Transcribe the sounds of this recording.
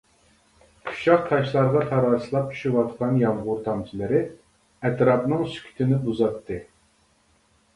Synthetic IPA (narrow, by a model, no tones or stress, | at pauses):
kʰu̥ʃɑχt̪ʰɑʃlˠɑɾʁɑt̪ʰɑɾɑɾsɨlˠɑp̚t͡ʃʰy̥ʃywɑt̪qɑnjɑmʁʊɾt̪ʰɑmt͡ʃ̪ʰɨlˠɪɾɪ | ɛt̪ɾɑpnɨŋsy̥kʲʰy̥t̪ʰɪnɪbuzɑt̪ʰːɨ